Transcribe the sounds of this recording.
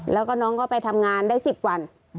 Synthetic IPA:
lɛː˦˥wkɔː˥˩nɔː˦˥ŋkɔː˥˩pa˧jt̪ʰa˧mŋaː˧ndaː˥˩jsi˨˩p̚wa˧n

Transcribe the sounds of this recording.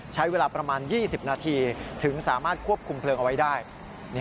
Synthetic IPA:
t͡ɕʰa˦˥jweː˧laː˧pɾa˧maː˧njiː˥˩si˨˩p̚naː˧t̪ʰiː˧t̪ʰɯ˩˦ŋsaː˩˦maː˥˩t̪̚kʰu˥˩əp̚kʰu˧mpʰlɤː˧ŋʔa˧wa˦˥jdaː˥˩j | n˦˥

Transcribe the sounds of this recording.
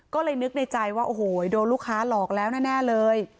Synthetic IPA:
kɔː˥˩lɤː˧jnɯ˦˥k̚na˧jt͡ɕa˧jwaː˥˩ʔoː˨˩hoː˨˩˦doː˧jluː˥˩kʰːaː˦˥lɔː˨˩k̚lɛː˦˥wnɛː˥˩nɛː˥˩lɤː˧j

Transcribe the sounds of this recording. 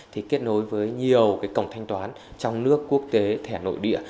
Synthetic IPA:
t̪ʰi˨˩ke˦˥t̚no˨˦jvəː˨˦jɲi˨˩əwkaː˨˦jkə˧˩wŋ͡mt̪ʰjŋ̟t̪waː˨˦n | t͡ɕɔ˧wŋ͡mnɨ˦˥əkːu˦˥ək̚t̪e˨˦t̪ʰɛ˧˩no̰˧˨jɗḭ˧˨ə

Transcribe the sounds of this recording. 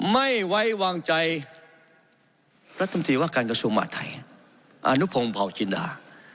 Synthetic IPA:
ma˥˩jwa˦˥jwaː˧ŋt͡ɕa˧j | pɾa˦t̪ʰːo˧nt̪ʰiː˧waː˥˩kaː˧nka˧su˧əŋma̰ː˧˩t̪ʰːa˧˩j | ʔa̰˧nu˦˥pʰo˧mpʰa˨˩wt͡ɕi˧˦nda̰ː˧

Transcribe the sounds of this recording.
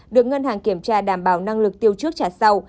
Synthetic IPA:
ɗɨ˨˩ək̚ŋə˧nhaː˨˩ŋki˧˩əmt͡ɕaː˧ɗaː˧˩mɓaː˧˩wna˧ŋlɨ˨˩k̚t̪i˧əwt͡ɕɨ˦˥ək̚t͡ɕaː˧˩sa˧w

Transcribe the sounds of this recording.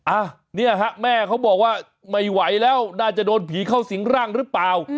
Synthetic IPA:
ʔaː˧˩ | ni˥˩ɐɦa˦˥ʔmɛː˥˩kʰa˦˥wbɔː˨˩k̚waː˥˩ | ma˥˩jwa˩˦jlɛː˦˥wnaː˥˩t͡ɕa˨˩doː˧npʰiː˩˦kʰa˥˩wsi˩˦ŋɾaː˥˩ŋɾɯː˦˥plaː˨˧w

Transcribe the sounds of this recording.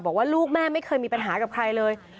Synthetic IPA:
bɔː˨˩k̚waː˥˩luː˥˩k̚mɛː˥˩ma˥˩jkʰɤː˧jmiː˧pa˧nɦaː˩˦ka˨˩p̚kʰɾa˧jlɤː˧j

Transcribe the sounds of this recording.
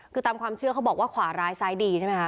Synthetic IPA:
kʰɯː˧t̪aː˧mkʰwaː˧mt͡ɕʰɯ˥˩ɐkʰa˦˥wbɔː˨˩k̚waː˥˩kʰwaː˩˦ɾaː˧jsaː˧˥jdiː˧t͡ɕʰa˥˩ma˦jkʰa˦˥

